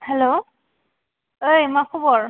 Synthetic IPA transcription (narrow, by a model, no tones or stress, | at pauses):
hɛlo | ojmakʰubɔɹ